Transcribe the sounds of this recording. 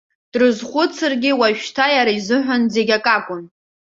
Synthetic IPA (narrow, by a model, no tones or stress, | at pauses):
d̥rɨzχʷʊt͡sʰɨrɡʲɪwaʒᶣtʰajaɾaizɨħᶣʷanze̞ɡʲakʼakʷʼʊn